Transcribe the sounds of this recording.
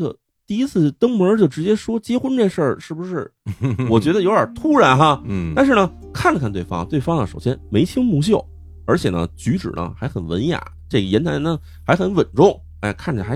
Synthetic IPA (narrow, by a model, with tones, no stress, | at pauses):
ɡə̰˧˩ | t̪i˥˩i˥t͡sʰɹ̩˥˩t̪ɤ˥ŋmə˧˥t͡ɕjo˥˩ʊʈ͡ʂɻ̩˧˥t͡ɕjɛ˥ʂwɔ˥t͡ɕjɛ˥xwə˥nʈ͡ʂe˥˧ʂə˞˥˩ʂɻ̩˥˩bu˩ʂɻ̩˥˩wɔ˨˩t͡ɕɥɛ˧˥d̪ə˧jo˧˥ʊə˞˨˩˦t̪ʰu˥ɻa˧˥nxa˥˧t̪a˥˧nʂɻ̩˥˩nə˩ | kʰa˥˩nlə˩kʰa˥˧nt̪we˥˩fɑ̰˥ŋt̪we˥˩ɪfɑ˥ŋnə̰˨ʂo˨˩ʊɕjɛ˥nme˧˥ɪt͡ɕʰi˥ŋmu˧˥ɕ̬jo˥˩ʊ | ə˞˧˥t͡ɕʰjɛ˨˩nə̰˦t͡ɕy˧˥ʈ͡ʂɻ̩̰˨˩nə̰˦xa˧˥ɪxə˨˩nwə̰˧˥nja̰˨˩˦ | ʈ͡ʂe˥˩ɡə˩jɛ˧˥nt̪ʰa˧˥nnə˧ | xa˧˥ɪxə˧˥nwə˨˩nʈ͡ʂʊ˥˩ŋ | a̰˥˧ɪkʰa˥˩n˩˨˩a˧˥